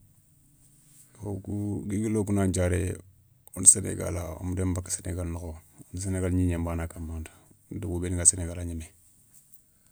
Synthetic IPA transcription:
okuɡiɡilok̬unaɲd͡ʒaɾe | unisenḛɡa̰lao̰mudembakḁseneɡalnokoonis̬eneɡalɲiɲembaːnakamantḁduɡubeniŋɡaseneɡalaɲine

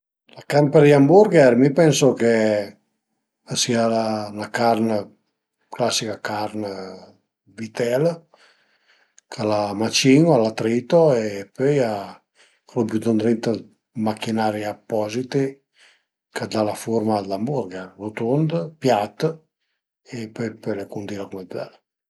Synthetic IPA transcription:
lakarmpeɾd̪iambuɾɡɛɾmipɛnsoke | sialaunakarnə | klasːikakaɾn | vit̪ɛl | kʰalamat͡ʃiŋoalat̪ɾit̪oepøja | kalobjud̪ond̪ɾint̪ə | makinaɾiapːɔzit̪i | kad̪alafuɾmalambuɾɡarut̪und̪pjat̪ːə | epœjpølekund̪iɾakumɛd̪ɛ̰l

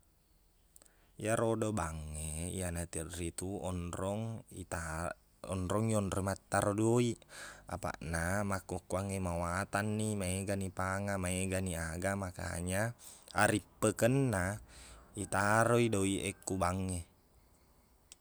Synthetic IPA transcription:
ijaɾodobaŋːeḭanat̪irrit̪uɔnrɔŋa | ɔnɾɔŋiɔndɾɔimat̪ːaɾodoia̰pa̰ʔnamakːukːuaŋemawat̪anːimaeɡanipaŋamaeɡaniaɡamaka̰ɲaa̰ɾipːəkənːa | it̪aɾoidoiʔekːubaŋːe

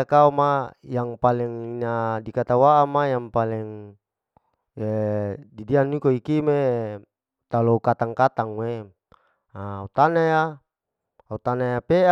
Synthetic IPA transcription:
kaomajaŋpalɛŋinadikat̪awaʔamajaŋpalɛŋ | edidianːikoikime | t̪aloukat̪aŋkat̪aŋwe | aut̪anaja | aut̪anajapeʔa

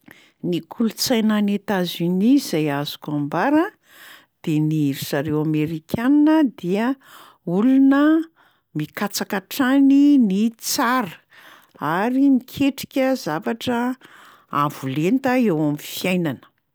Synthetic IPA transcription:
nikʰulut͡sajnanet̪azynizajazu̥kambaɾə | d̪̥eniɾisaɾewameɾikʲʰaninəd̪iə | ulunə | mikat͡sakaʈ͡ʂaninit͡saɾə | aɾinikʲʰeʈ͡ʂi̥kʲəzavaʈ͡ʂə | avulent̪əewamifiajnanə̥

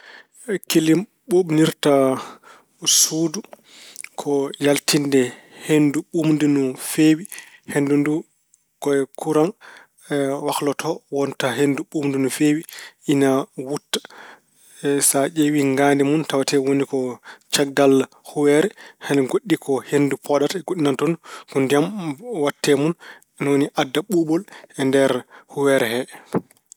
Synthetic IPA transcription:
kilim | ɓoɓniɾta | sudu | kʰɔjaltindɛ | henduɓumndunufewihendundu | ɡ̥ɔɛkʰuɾan | waklɔtʰɔwɔntaɦenduɓumndunufewiinawutːḁ | saʔewiŋɡandɛmuntawatɛwonikɔt͡ʃaɡɡal | huwɛɾɛhɛnɡoɗːikʰɔhendupʰɔɗatɛɡoɗːinantɔnukɔndijamwatʰːɛmun | nwoniʔadːaɓuɓɔlɛndɛɾhuwɛɾɛhɛ

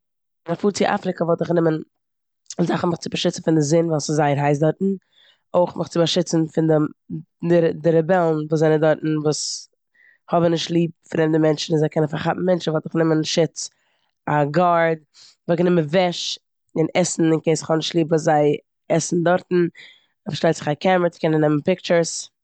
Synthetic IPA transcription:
ɪnafuːɾt͡sɪʔa̰fɾɪkəvɔlˠtɪχnɪmən | zaχn̩mɪχt͡sɪbaʃɪt͡sn̩fɪndɪzɪnvalˠsɪzaɪəɾɦaɪs̬dɔɾtn̩ | oɪχmʔɪχt͡sɪbaʃɪt͡sn̩fɪndɪ | dɪdɪɾɛbɛlˠn̩vuːs̬zaɪnədɔɾtn̩vuːs | hɔbənɪʃtlˠiːp̚fɾɛmdəmɛnt͡ʃn̩ɪnzaɪkʰɛnənfaɾχapm̩mɛnt͡ʃn̩vɔlˠtɪχnɪmənʃɪt͡s | aɡaɾd̚ | vuknɪmənvɛʃ | ɪnɛsn̩ɪnkeɪsɪ̥χɔbnɪʃtlˠiːpvuːs̬zaɪ | ɛsn̩dɔɾtn̩ | fʃlaɪtt͡sɪ̥χakʰɛməɾt͡sɪ̥kɛnənɛmən̩pɪk̚t͡ʃəɾs

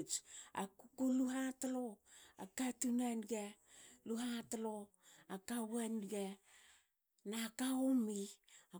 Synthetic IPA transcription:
t͡ʃa̰kukuluɦataloa̰katunanɡa | luɦatalo | akawanɡa | nakaomia

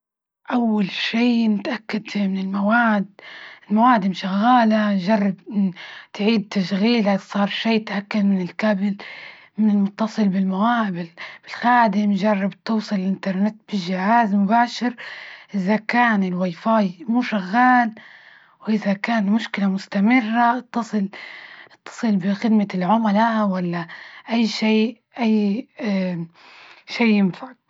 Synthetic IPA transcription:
ʔawːalʃiːnɪt̪ʔakːad̪fmɪnɪlmawaːd̪ɪlmawaːd̪ɪmʃaɣːaːlaʒɑrˤːɑbɪnt̪ʕiːd̪̚t̪aʃɣiːlasˤɑːɾˤʃeːt̪ʔakːad̪mɪnɪlkabɪl | mɪnɪlmʊt̪ːɑsˤɨlbɪlmawaːbɪlb̥ɪlxaːd̪ɪmʒɑrˤːɑbt̪uːsˤɨlɪlʔɪnt̪ɑɾˤnɪt̪ːb̥ɪʒːɪhaːzmʊbaːʃɪɾʔɪðakaːnɪlwiːfɑːjmuːʃaɣːaːl | wʔɪðakaːnmʊʃkɪlamʊst̪amɪrːaʔɑt̪ːɑsˤɨlʔɑt̪ːɑ̥sˤɨlbɪxɪd̪malʕʊmalawalːaʔajːʃeːʔ | ʔajː | ʃeːɪmfaʕ

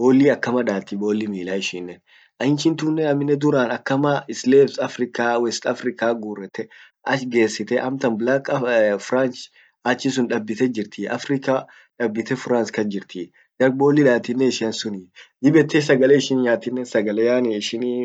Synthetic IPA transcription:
bo̞ːlːiːɐkːɐmɐᶑaːt̪ːibo̞ːlːimiːlaːɪʃiːnːɛn | ʔɐɪnt͡ʃɪnt̪ʊːnːɛɐmɪnːɛd̪ʊɾaːnɐkːɐmɐɪsleːbsɐfɾɪkaːwɛst̪ɐfɾɪkaːɡuːrɛt̪ːɛ | ʔɐʃɡe̞ːsːɪt̪ɛʔɐmt̪ɐnblakɐfʊɾaːnt͡ʃ | ɐt͡ʃːɪs̬ʊnᶑɐbːɪt̪ɛd͡ʒɪɾt̪ʰiːʔɐfɾɪkaː | ᶑɐbːɪt̪ɛfʊɾaːnskɐnd͡ʒɪɾt̪ʰḭː | d͡ʒɐɾ̚bo̞ːlːiᶑaːt̪ɪnːɛɪʃɪɐnsʊnid̪ɪbɛt̪ːeːs̬ɐɡɐleːɪʃɪnɲaːt̪ːɪnːɛsɐɡɐlejaːniɪʃɪnː

